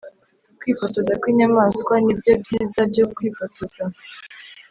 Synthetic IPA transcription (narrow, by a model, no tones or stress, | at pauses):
kwipɔtɔzakwiɲamaskwanibjɔbizabjɔkwipatɔza